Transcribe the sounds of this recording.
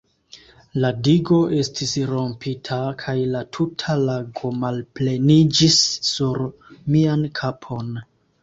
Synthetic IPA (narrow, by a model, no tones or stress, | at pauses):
ladiɡo̞ʔe̞stisɾo̞mpitʰakʰajlatʰutʰalaɡo̞malple̞nid͡ʒisːuɾmiankʰapʰo̞n